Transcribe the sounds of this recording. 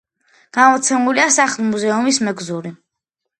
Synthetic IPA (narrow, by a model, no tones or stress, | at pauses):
ɡ̥amɔt̪sʰɛmuliasaχlˠmuzɛumismɛɡzuɾi